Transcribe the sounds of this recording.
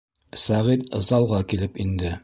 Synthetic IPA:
sæʁit̪ɤ̰̆zɑlˠʁɑkilɘpind̪ɘ

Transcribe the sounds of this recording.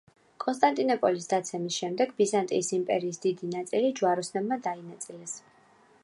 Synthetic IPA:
kʼɔnst̪ʼant̪ʼinɔpʼɔlisd̪at̪sʰɛmisʃɛmd̪ɛɡbizant̪ʼḭːsimpʼɛɾiːsd̪̥id̪inat̪sʼilid͡ʒuaɾɔsnɛbmad̪ainat̪sʼilɛs

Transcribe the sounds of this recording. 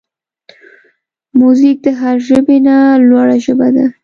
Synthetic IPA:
muzik̚d̪əɦaɾʒəbenalwaɽaʒəbad̪a

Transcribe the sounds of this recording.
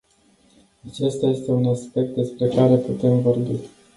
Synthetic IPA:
at͡ʃe̞st̪aje̞st̪e̞unaspe̞k̚t̪̚d̪e̞spɾe̞kaɾe̞put̪e̞mvo̞rbi

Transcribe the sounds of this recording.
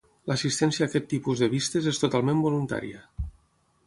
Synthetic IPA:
ləsist̪ɛnsiaːkɛt̪ːipuzðəβ̞ist̪ezest̪ot̪alˠmẽmbolunt̪a̰ɾḭə

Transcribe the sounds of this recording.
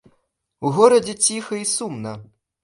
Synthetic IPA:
uɣɔɾɐd͡zʲɛt͡sʲixɐisumnɐ

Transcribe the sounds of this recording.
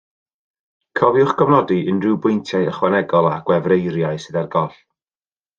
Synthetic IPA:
kʰɔvjʊχɡɔvnɔdiʔənrɨwbʊjntʰjaɨəχwanɛɡɔlˠaɡ̥wɛvrejɾjaɨsɨðarɡɔɬ

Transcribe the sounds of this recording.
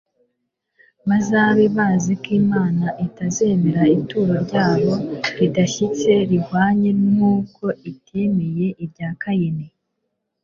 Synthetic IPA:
mazaβiβaːzikiːmaːnaʔitaze̞ːme̞ɾaituːɾaɾɟaːβo̞ɾidaçit͡se̞ɾihwaːɲe̞nŋuːko̞itieme̞je̞ʔibɟaːkajene

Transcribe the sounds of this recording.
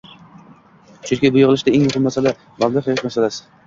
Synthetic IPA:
t͡ʃʰʊnkʲɪbʊjʁɨlˠɪʃd̪aeŋjʊqʰɨmmasala | mablˠaqeɪʃmasalasɪ̥

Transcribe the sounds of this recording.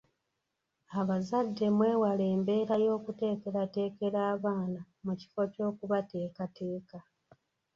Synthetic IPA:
aβazadːe̞mwe̞ːwale̞ːmbe̞ːɾajo̞ːkute̞ːke̞ɾate̞ːke̞ɾaːβaːna | muci̥fo̞co̞ːkuβate̞ːkate̞ːka

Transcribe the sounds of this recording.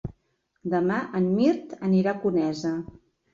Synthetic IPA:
d̪əmaʔənmiɾt̪əniɾakunɛzə

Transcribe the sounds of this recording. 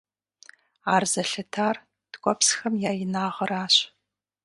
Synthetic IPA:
aːrzɐɬɐtʰaːr | d̥kʷʼɔpsxɐmjaːjɪnaːʁəraːɕ

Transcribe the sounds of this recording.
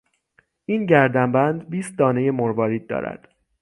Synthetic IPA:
ʔiːnɟæɾd̪æmbænd̪biːst̪̚d̪ɒːne̞je̞moɾvɒːɾiːd̪d̪ːɒ̰ːɾæ̰d̪̥

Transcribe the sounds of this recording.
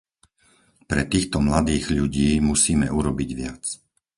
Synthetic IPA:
pɾɛt̪iːxt̪ɔmlad̪iːɣʎuɟiːmusiːmɛʔuɾɔbiɟʋɪat͡s

